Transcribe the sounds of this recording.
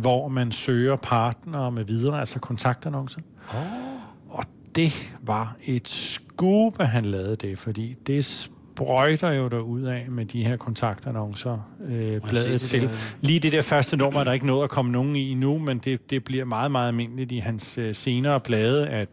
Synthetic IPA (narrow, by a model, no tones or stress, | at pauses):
ʋɒmænsøːɐpʰɑ̈ːd̥nɐːmeʋiðˠɐælsɐkʰɒ̽nt͡sʰɑ̈ɡ̥̚d̥ænɒ̽ŋsɐ | ɒ̽ | d̥e̝ʋɑ̈e̝d̥sɡ̥uːb̥əɦænlɛːð̞ˠəd̥e̝fɒ̽d̥ḭːd̥e̝s | b̥ʁɔɪd̥ɐjo̝ɾ̥ɑuð̰ˠɛmed̥iheɐ̰kʰɒ̽nt͡sʰɑ̈ɡ̥̚d̥ænɒ̽ŋsɐøb̥lɛːð̩ˠt͡sʰe̝lliːd̥e̝d̥e̝ɐfɶɐsd̥ənɔːmæɐɾ̥ɑ̈e̝ɡ̥ənɔ̽ːð̞̩ˠækʰɒ̽məno̝ːn̩iinumend̥e̝d̥e̝b̥liɐ̰mɑ̈ːð̩ˠmɑ̈ːð̩ˠælme̝n̰əlid̥iɦænsːe̝ːnɐːb̥lɛːð̞ˠəʔæ̥